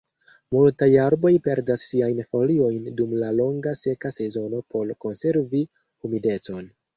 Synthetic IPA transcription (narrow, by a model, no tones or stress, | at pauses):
multajaɾbo̞jpe̞ɾdasːiajnfo̞lio̞jndumlalo̞ŋɡase̞kase̞zo̞no̞po̞lko̞nse̞ɾvi | humide̞t͡so̞n